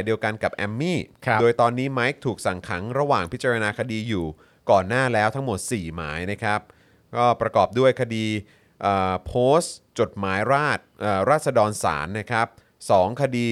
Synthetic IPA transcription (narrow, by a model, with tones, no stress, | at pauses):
jdi˧əwka˧nka˨˩p̚ʔɛ˧mːiː˥˩doː˧jt̪ɔː˧nːiː˦˥ma˦˥jk̚t̪ʰuː˨˩k̚sa˨˩ŋkʰa˩˦ŋɾa˧waː˨˩ŋpʰi˦˥t͡ɕa˧ɾa˧naː˧kʰa˧diː˧juː˨˩ | kɔː˨˩nːaː˥˩lɛː˦˥wt̪ʰa˦˥ŋmo˨˩t̪̚siː˨˩maː˩˦jna˦˥kʰɾa˦˥p̚ | kɔː˥˩pɾa˧kɔː˨˩p̚du˥˩əjkʰa˧diː˧ | ʔəː˨˩pʰoː˦˥st͡ɕo˨˩t̪̚maː˩˦jɾaː˥˩t̪̚ʔɤː˨˩ɾaː˥˩t̪̚sa˧dɔː˧nsa̰ː˩˦nːa˦˥˩kʰɾa˦˥p̚ | sɔː˩˦ŋkʰa˧diː˧